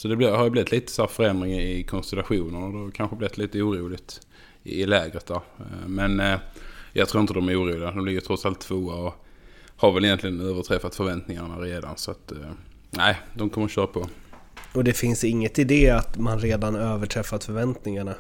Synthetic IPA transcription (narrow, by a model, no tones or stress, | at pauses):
sɔd̪ɛblɪhaɾjblɪɪt̪liːt̪ə̥sæːɾfœɾɛnd̪ɾɪŋɪkʰɔnst̪ɛlaɧuːnənɔd̪ɛhakʰanɧəblɪvɪt̪liːt̪əuːɾuːlɪɡt̪ | ɪɪlɛːɡɾət̪̚d̪æːɾmɛn | jʔɑ̰ɡt̪ʰɾuːɾɪnt̪əd̪ɔmæɾuːɾuːlɪɡad̪ɔmb̪lɪɾjət̪ʰɾɔt̪salt̪ʰːvoːaɔ | haɾvɛlɪjɛnt̪lɪɡənøːvəʈʰɾɛfːat̪fœɾvɛnt̪nɪŋaɳaɾeːd̪a̰nsɔat̪ | næɪd̪ɔmkʰɔmːəɾɕøːɾapʰɔ | ɔd̪ɛfɪnsɪŋːət̪ɪd̪eːat̪manɾeːd̪anøːvəʈʰɾɛfːat̪fœɾvɛnt̪nɪŋaɳa